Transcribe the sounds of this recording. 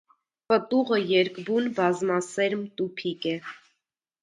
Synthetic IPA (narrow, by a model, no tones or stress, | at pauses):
pət̪uʁəjɛɾkbunbɑzmɑsɛɾmt̪upʰikɛ